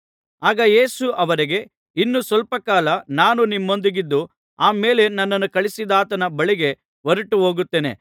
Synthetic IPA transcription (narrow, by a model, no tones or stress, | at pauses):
aːɡɐje̞ːsuʔɐʋɐɾiɡe̞ | inːusʋɐlpɐkaːlɐnaːnunimːo̞nd̪iɡid̪ːu | aːme̞ːle̞nɐnːɐnːukɐɭisid̪aːt̪ɐnɐbɐɭiɡe̞ | ʋɐɾuʈːuɦo̞ːɡut̪ːeːnḛ